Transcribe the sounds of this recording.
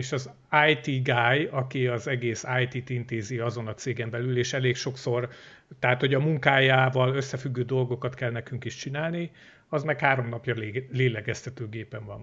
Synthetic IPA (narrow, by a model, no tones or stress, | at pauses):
eːʃɒz | aːjt̪iɡajɒkiɒzɛɡeːsaːjt̪it̪int̪eːziɒzo̞nɒt̪seːɡɛmbɛlyleːʃɛleːkʃo̞kso̞rt̪ɛɦaːt̪ho̞ɟɒmuŋkaːjaːvɒlø̞sːɛfyɡːøːd̪o̞lɡo̞kɒt̪kɛlnɛkyŋkiʃt͡ʃinaːlni | ɒzmɛkhaːɾo̞mnɒpjɒlleːlɛɡɛst̪ɛt̪øːɡeːpɛɱvɒ̰n